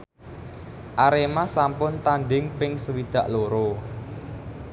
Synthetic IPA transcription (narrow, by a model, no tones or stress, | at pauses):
ʔaɾemasampʊnt̪anɖɪŋpɪŋsəwid̪̥a̤ʔloɾo